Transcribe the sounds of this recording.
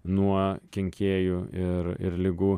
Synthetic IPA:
nuɔkʲɛŋʲkʲeːjuɪɾɪ̰ɾlʲɪɡuː

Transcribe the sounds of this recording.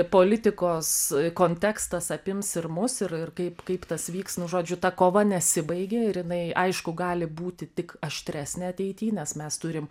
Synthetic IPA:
poːlʲɪt̪ʲɪkoːskoːnʲt̪ʲɛkst̪ɐsɐpʲɪmsɪrmʊsɪrɪrkɐɪpkɐɪpt̪ɐsʋʲiːksnʊʒoːd͡ʒʲʊt̪ɐkoːʋɐnʲɛsʲɪbɐɪɡʲeɪɾjɪnɐɪʔɐɪʃkʊɡɑːlʲɪbuːt̪ʲɪt̪ʲɪkɐʃʲt̪ʲɾʲæːsʲnʲeɐt̪ʲɛɪt̪ʲiːnʲɛsmʲɛst̪ʊɾʲɪm

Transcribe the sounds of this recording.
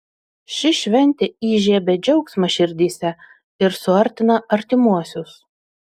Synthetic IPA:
ʃʲɪʃʲʋʲɛnʲt̪ʲeiːʒʲeɛbʲɛd͡ʒʲɛʊksmɐʃʲɪɾʲd̪ʲiːsʲɛ | ɪɾsʊɐɾʲt̪ʲɪnɐɐɾʲt̪ʲɪmuɔsʲʊs

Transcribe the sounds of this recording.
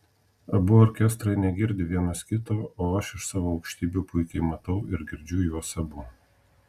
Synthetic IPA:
ɐbʊoɾʲkʲɛst̪ɾɐɪnʲɛɡʲɪɾʲd̪ʲɪʋʲiɛnɐskʲɪt̪oːoːɐʃɪʃsɑːʋoːɐʊkʃʲt̪ʲiːbʲuːpʊɪkʲɛɪmɐt̪ɐʊɪɾɡʲɪɾʲd͡ʒʲʊjuɔsɐbʊ

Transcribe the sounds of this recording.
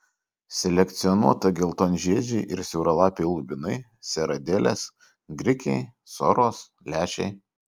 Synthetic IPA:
sʲɛlʲɛkʲt̪sʲɪɔnuɔt̪ɐɡʲɪlˠt̪oːnʲʒʲiːd͡ʒʲɛɪʔɪɾsʲɛʊɾɐlˠɑːpʲeɪlˠʊbʲɪnɐɪ | sʲɛɾɐd̪ʲeːlʲḛːs | ɡɾʲɪkʲɛɪ | sɔɾoːs | lʲæːʃʲɛɪ

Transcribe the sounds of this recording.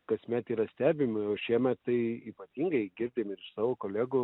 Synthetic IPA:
kɐsʲmʲæt̪iːɾɐsʲt̪ʲæːbʲɪmɪoːʃʲiɛmʲɛt̪tɐɪiːpɐt̪ʲiːŋɡɐɪɡʲɪɾʲd̪ʲemɪɾɪʃsɑːʋoːkoːlʲæːɡʊ

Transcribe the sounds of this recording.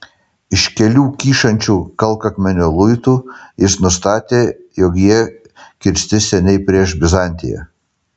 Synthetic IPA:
ɪʃkʲɛlʲuːkʲiːʃɐnʲt͡ʃʲuːkɐlˠˑkɐkmʲɛnʲoːlˠʊɪt̪uːjɪsnʊst̪ɑːt̪ʲeːjɔkjiɛ | kʲɪɾʲsʲt̪ʲɪsʲɛnʲɛɪpʲɾʲiɛʃbʲɪzɑˑnʲt̪ʲɪ̰jɛ̰

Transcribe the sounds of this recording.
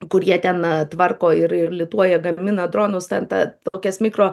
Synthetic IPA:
kʊɾʲjiɛt̪ʲɛnt̪ʋɐrkoːɪɾɪrlʲɪt̪uɔjɛɡɐmʲɪnɐd̪ɾoːnʊst̪ʲɛnt̪ɐ̰t̪oːkʲɛsʲmʲɪkɾoː

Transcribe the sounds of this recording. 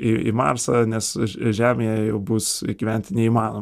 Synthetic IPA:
ɪɪ̰mɑ̰ːrsɐnʲɛsʒʲæːmʲeːjɛjɛʊbʊsɡʲiʋʲɛnʲt̪ʲɪnʲɛiːmɑːnoːm

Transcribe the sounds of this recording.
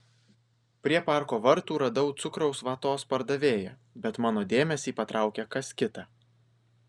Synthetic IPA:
pʲɾʲiɛpɑˑɾkoːʋɐɾt̪uːɾɐd̪ɐʊt̪sʊkɾɒʊsʋɐt̪oːspɐɾd̪ɐʋʲeːjɛ | bʲɛt̪mɑːnoːd̪ʲeːmʲɛsʲiːpɐt̪ɾʔɑˑʊkʲɛkɐskʲɪt̪ɑː

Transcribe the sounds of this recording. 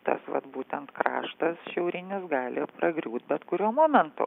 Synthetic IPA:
t̪ɐ̰sʋɐ̰t̪buːt̪ʲɛnt̪kɾɑ̰ːʃt̪ɐsʃʲɛʊɾʲɪnʲɪsɡɑːlʲɪpɾɐɡɾʲuːt̪̚bʲɛt̪kʊɾʲuːɔmoːmʲɛnt̪ʊ̰

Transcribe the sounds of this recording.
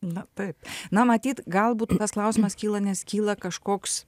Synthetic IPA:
nʊt̪ɐɪpnɐmɐt̪ʲiːt̪ɡɐlˠbuːt̪t̪ɐsklˠɐʊsʲɪmɐskʲiːlˠɐnʲɛskʲiːlˠɐkɐʃkoːks

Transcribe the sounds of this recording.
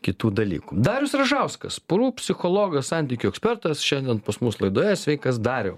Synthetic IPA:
kʲɪt̪uːd̪ɐlʲḭːkud̪ɑːɾʲʊsɾɐʒɑʊskɐ̰spʊɾuːpʲsʲɪxoːlˠoːɡɐssɑnʲt̪ʲiːkʲʊɛksʲpʲɛɾt̪ɐsʃʲɛnd̪ʲɛnpɐsmʊslˠɐɪd̪oːjɛsʲʋʲɛɪkɐs̬d̪ɑːɾʲɛʊ

